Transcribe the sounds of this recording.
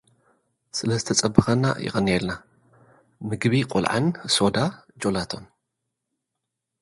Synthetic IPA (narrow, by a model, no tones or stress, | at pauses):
sɨlɐzɨt̪ʰɐt͡sʼɐbːɨxɐnːa̰jɪ̰xʼɨnːielna | mɨɡβiqʼʊlʕa̰nso̞d̪ad͡ʒo̞lat̪ʰo̞n